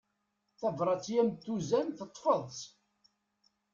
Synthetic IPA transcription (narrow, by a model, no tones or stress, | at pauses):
θævɾˤɑt͡sːjæmt̪ːuzænθət̪ˤːfəðˤs